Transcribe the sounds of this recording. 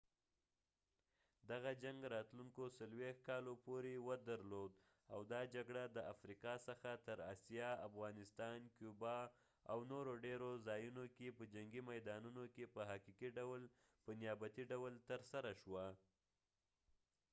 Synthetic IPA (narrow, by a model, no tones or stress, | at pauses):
d̪aɣad͡ʒaŋɡɾɑt̪luŋkosalwext̪̚kɑlopoɾewəd̪aɾlod̪ | awd̪ɑd͡ʒaɡɽad̪əʔafɾiqɑsəxat̪əɾɑ̰sjɑafɣɑnɪst̪ɑnkjubɑ | a̰wnoɾoɖeɾozɑjunokepəd͡ʒaŋɡimajd̪ɑnunokepəɦɑqikiɖawl | pənjɑbat̪iɖawəlt̪əɾsaɾaʃwa